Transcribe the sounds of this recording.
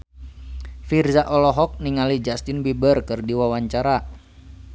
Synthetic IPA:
firzaʔɔlɔɦɔk̚niŋalid͡ʒast̪ɪnbibərkɨrdiwawaɲt͡ʃaɾa

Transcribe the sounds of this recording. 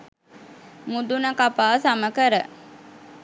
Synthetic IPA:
mud̪unəkapaːsaməkəɾə

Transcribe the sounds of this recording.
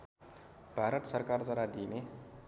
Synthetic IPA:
b̥ʱaɾʌt̪sʌrkard̪aɾad̪ine

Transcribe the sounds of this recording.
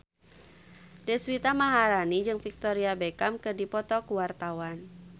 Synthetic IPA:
dɛswit̪amaɦaɾanid͡ʒɨŋfik̚t̪ɔɾiabekamkɨdipɔt̪ɔkuwart̪awan

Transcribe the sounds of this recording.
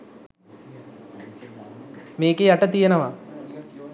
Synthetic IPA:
meːkeaʈət̪ijenəʋa

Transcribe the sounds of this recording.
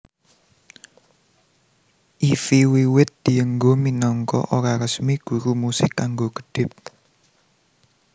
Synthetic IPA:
ʔifiwiwɪt̪̚d̪̥i̤əŋɡominɔŋkɔ̰ʔoɾaɾəsmiɡ̥ṳɾumusɪkːaŋɡoɡ̥ə̥ɖ̥ɪp̚

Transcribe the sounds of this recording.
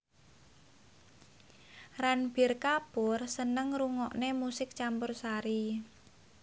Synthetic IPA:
ranb̥i̤rkapʊrsənəŋruŋɔʔnemusɪk̚t͡ʃampʊrsaɾi

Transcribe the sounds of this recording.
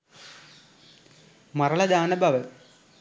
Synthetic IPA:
mɐrɐɭɐd̪aːnɐbʱɐʋɐ

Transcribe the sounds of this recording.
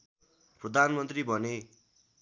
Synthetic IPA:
prʌd̪ʱanmʌnt̪ribʱʌne

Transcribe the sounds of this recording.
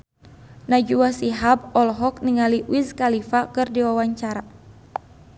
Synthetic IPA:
nad͡ʒuwasiɦab̚ɔlɦɔk̚niŋaliwiskalifakɨrdiwawaɲt͡ʃaɾa

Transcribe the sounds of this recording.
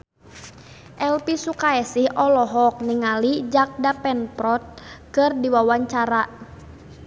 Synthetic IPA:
ʔɛlpisukaɛsihɔlɔɦɔk̚niŋalid͡ʒak̚dapɛnpɾɔt̪̚kɨrdiwawaɲt͡ʃaɾa

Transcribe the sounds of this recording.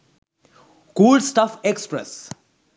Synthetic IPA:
kuːlɖsʈafekspɾḛs

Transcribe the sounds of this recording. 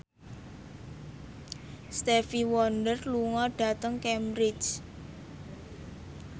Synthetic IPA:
st̪ɛfiwɔnɖərluŋɔɖ̥ä̤t̪əŋkɛmbɾɪt͡ʃ

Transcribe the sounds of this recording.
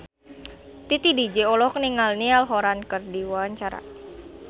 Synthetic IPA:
t̪it̪idid͡ʒeɔlɔkniŋalnialɦoɾankərdiwaaɲt͡ʃaɾa̰

